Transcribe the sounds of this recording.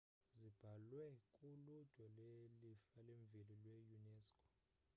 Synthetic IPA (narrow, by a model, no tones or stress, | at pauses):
zib̥ʱalwɛkʼulud̥ʒ̥ʱwɔlelifaleɱb̪vʱililwejunɛːskʼɔ̥